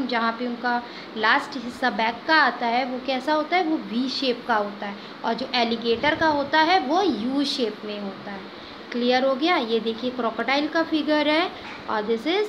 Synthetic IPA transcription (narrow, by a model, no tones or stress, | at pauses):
md͡ʒɐɦãpeʊnka | laːsʈɦɪsːabɛːkːaaːt̪aɦɛʋokɛːsaɦoːt̪aɦɛʋoʋiːʃeːpkaɦoːt̪aɦɛ | ɔ̰ːɾd͡ʒoːʔɛːlɪɡeːʈəɾkaɦoːt̪aɦɛʋojuːʃeːpmẽɦoːt̪aɦɛː | klijəɾɦoɡɐjajed̪eːkʰiekɾɔːkəʈaːɪlkafɪɡəɾɦɛ | ɔ̰ːɾd̪ɪsɪz